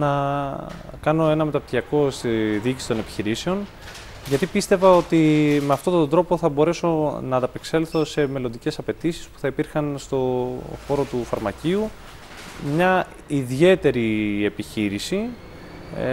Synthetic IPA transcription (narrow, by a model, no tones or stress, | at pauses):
nɐ | kɐno̞e̞nɐme̞t̪ɐp̚t̪ʰiɐko̞st̪iðicisi̥t̪o̞ne̞pi̥çiɾise̞o̞n | ʝɐt̪ipist̪e̞vɐo̞t̪imeɐft̪ot̪t̪ːond̪ɾo̞po̞θɐbo̞ɾe̞so̞nɐːnd̪ɐpekse̞lθo̞se̞me̞lo̞nd̪ice̞sɐpe̞t̪isi̥spu̥θɐipiɾxɐnst̪o̞xo̞ɾo̞t̪ufɐɾmɐciu | mɲɐ | iðie̞t̪e̞ɾie̞piçiɾisi